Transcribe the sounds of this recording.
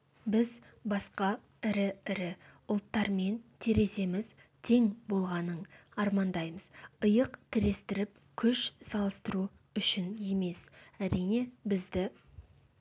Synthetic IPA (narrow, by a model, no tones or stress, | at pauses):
bɪz | bɑsqɑ | ɪɾɪɪɾɪ | ʊlˠt̪ːɑɾme̞nt̪ʰeɾe̞se̞mɪz | t̪ʰe̞ŋbo̞lˠʁɑnəɴɑɾmɑnd̪ɑjməzəjəqt̪ʰɪɾe̞st̪ɪɾɪp | kʲʰɵʃsɑlˠəst̪əɾu | ʏʃɪnje̞me̞sæɾijne̞bɪzd̪ɪ